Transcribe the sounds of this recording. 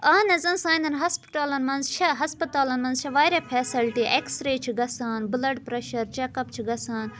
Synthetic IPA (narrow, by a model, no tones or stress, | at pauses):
aːnɐzɐnsãːjnd̪ɐnɦɐspʈaːlɐnmɐnzt͡ʃʰɐɦɐspɐt̪aːlɐnmɐnzt͡ʃʰɐʋaːɾʲɐpʰeːsilʈiʔeksɾeːt͡ʃʰiɡɐsaːnbɨlɐɖpɾɐʃɐɾt͡ʃɛkɐpt͡ʃʰiɡɐsaːn